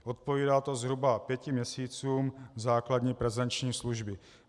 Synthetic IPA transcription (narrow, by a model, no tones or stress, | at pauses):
ʔot̪̚poviːdaːt̪ozɦɾubapjɛcɪmɲɛsiːt͡suːmzaːkladɲiːpɾɛzɛnt͡ʃɲiːsluʒbɪ